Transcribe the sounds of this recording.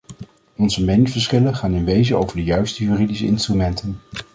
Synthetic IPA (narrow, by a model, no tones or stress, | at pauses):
ɔnzəmejnəvəɹsχɪlənχaːnɪnʋejzəowvəɹdəjœɥstəjyːridisəɪnstrymɛntən